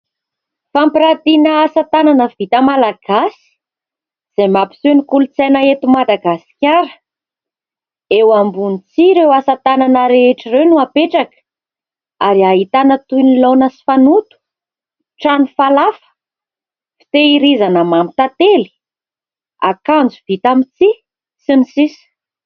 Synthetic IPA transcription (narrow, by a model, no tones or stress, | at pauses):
fampiɾat̪inəːsat̪ananəvit̪əmalaɡ̥asi̥ | z̥emapi̥senikulut͡sanaet̪umad̪aɡasi̥kʲaɾə̥ | ewambunit͡siɾewasat̪ananəɾeeʈ͡ʂirewnuapeʈ͡ʂakə̥ | aɾiaɦit̪anət̪unilonəsi̥fanut̪u̥ | ʈ͡ʂanifalafə̥ | fi̥t̪eiɾizanəmamit̪at̪eli̥ | a̰kand͡zuvit̪amit͡si | sinisisi̥